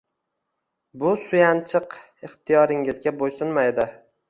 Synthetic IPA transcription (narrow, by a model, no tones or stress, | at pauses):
bʊsʊjant͡ʃʰɨq | ɪχt̪ʰijɒɾɪŋɪzɡʲabojsʊnmajd̪ɪ